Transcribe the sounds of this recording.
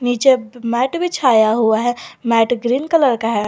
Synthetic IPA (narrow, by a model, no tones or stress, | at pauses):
nit͡ʃemɛʈbʱit͡ʃʰajaɦuaɦɛmɛʈɡɾinkələɾkaɦɛ